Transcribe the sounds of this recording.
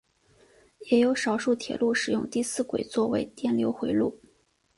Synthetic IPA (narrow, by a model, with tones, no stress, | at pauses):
jɛ˨˧˥jo˧˥ʊʂɑ˨˩ʊʂu˥˩t̪ʰjɛ̰˨˩lu˥˩ʂɻ̩˨˩jʊ˥˧ŋt̪i˥˧sɹ̩˥˩kwḛ˨˩ɪt͡swɔ˥˩wḛ˧˥ɪt̪jɛ˥˩nljo˧˥ʊxwe˧˥ɪlu˥˩